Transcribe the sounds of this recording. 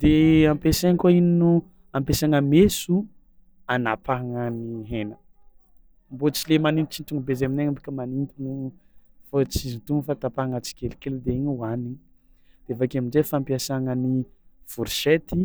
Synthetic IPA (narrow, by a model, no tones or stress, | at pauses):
d̪̥eampeseŋkoininu | ampesaŋəmesu | anapaɦaŋəniɦenə | mbot͡silemanit̪it͡ʃint̪uŋubezemineŋambikʲəmanint̪ini | fot͡sizint̪uŋufat̪apaaŋət͡si̥kʲelikeld̪eiɲuani | d̪̥eavakamind͡ʒefampiasaŋəniv̥uɾiʃet̪i